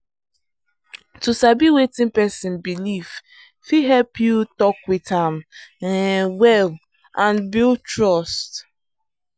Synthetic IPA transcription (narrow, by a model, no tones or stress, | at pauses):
tusabiwetɪ̃npɛsɪ̃nbilif | fiɦɛlpjutɔk̚witãm | wɛl | ãnbiltɹɔst